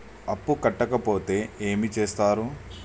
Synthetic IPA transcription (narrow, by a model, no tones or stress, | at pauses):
ɐpːukɐʈːɐkɐpo̞ːt̪e̞ːeːmit͡ʃeːst̪aːɾu